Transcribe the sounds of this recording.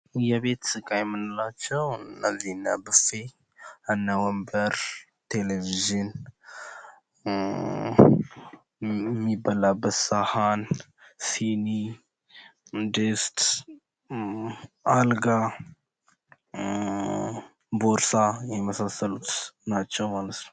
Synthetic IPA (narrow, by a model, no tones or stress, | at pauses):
jɛβe̞t̪sɨkʼajɛmːɨnɨlat͡ʃːɛwɨnːəzːihnːa̰bɨfe | ənːəwəmbəɾ | t̪ʰeleviʒin | mːibːalabət̪sahan | sini | d̪est̪ | alɡa | boɾsajɛməsasːəlut̪nat͡ʃːɛwmalət̪nəw